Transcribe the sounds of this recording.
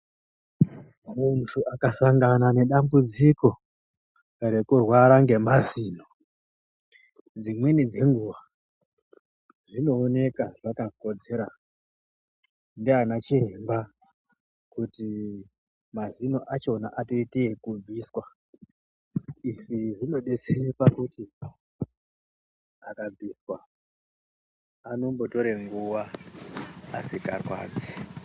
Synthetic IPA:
muntʰuʔakasaŋɡanane̞ɗambud͡ziko̞ | re̞kurwaɾaŋɡe̞maziːno | d͡zimwenid͡ze̞ŋɡuʋa | ʐino̞ːne̞kaʐakako̞d͡ze̞ɾa | ndianat͡ʃiemba | kuti | mazino̞ʔat͡ʃo̞na̰ʔato̞iteːkub͡vʱiswa | iʂiʐino̞ɗe̞t͡serepakuti | akab͡vʱiswa | ano̞mbo̞to̞ɾeŋɡuwaː | sikarwa̰ːd͡zi

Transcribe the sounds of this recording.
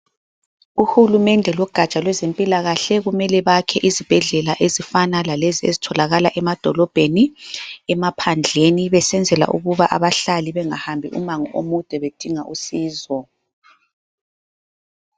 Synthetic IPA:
uxulumɛndʱɛlɔɡ̥ʱat͡ʃʼalwɛzempʼilaɣaɬɛɣumɛlɛβakʰɛʔizib̥ʱɛɮɛlaʔezifanalaleziḛzitʰɔlaɣalaʔɛmad̥ʱɔlɔb̥ʱeniɛmapʰand͡ɮʱeniβɛsɛnd͡zʱɛla̰ʔṵɣuβaʔaβaɬaliβɛŋahambʱḭʔṵmaŋɔʔomud̥ʱʼɛβed̥ʱiŋaʔusiːzɔ

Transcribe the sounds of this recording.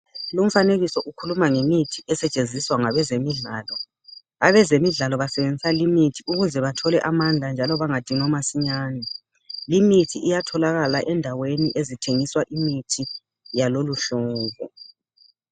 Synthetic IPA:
lum̩faneɣisɔʔukʰulumaŋemitʰiɛsɛt͡ʃʼend͡zʱiswaŋaβɛzemiɮaːlɔ | aβɛzemiɮalɔβasɛβend͡zʱisalimitʰiuɣuzɛβatʰɔlɛʔamand͡ɮʱand͡ʒʱalɔβaŋad̥ʱiŋɔmasiɲaːnɛ | limitʰiijatʰɔlaɣalaʔɛndʱaweniʔezitʰeŋiswaʔimitʰi | jaloluɬɔːvɔ̰

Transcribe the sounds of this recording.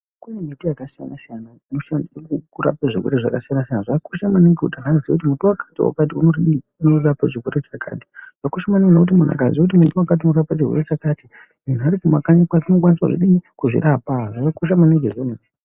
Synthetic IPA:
kunemitijakasija̰nasijana | noʃandiikukuɾa̰peʐirweɾeʐa̰kasijanasijanaʐaakuʃamaniŋɡeṵɗaɦazikutimutuwakḁtiwa̰kat̬iunori | unorapaʐiweɾet͡ʃakʰa̰ːti̥ʐ̥akoʃamanianokut̬imun̤a̰ka̰zikut̬imutuwakat̬iunorapat͡ʃirwḛɾet͡ʃakati | mun̤uaɾikumakaɲikwat͡ʃinok̬waniswa̰ʐḭɗiikuʐḭɾapaʐakakoʃ̬amaneŋɡezenu

